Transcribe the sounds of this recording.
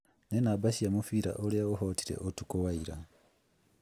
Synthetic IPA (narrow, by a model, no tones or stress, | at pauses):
nenabaʃiamufiːɾa̰ʔolaoɦotiɾḛʔotukowaiɾa